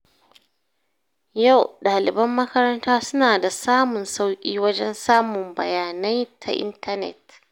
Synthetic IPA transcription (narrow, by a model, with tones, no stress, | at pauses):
ja˦˨wɗaː˨lɪ˨bɐ˦mːɐ˦kɐ˦ɾɐ˦ntaː˦sʊ˦naː˨da˨saː˦mʊ˨nsa˦wkʲʼḭː˦wɐ˦d͡ʒɛ˦nsaː˦mʊ˨mbɐ̰˨jaː˨nɐ˦jtʰa̰˨ʔɪ̰˦ntɐ˦nɛ̰˨t̚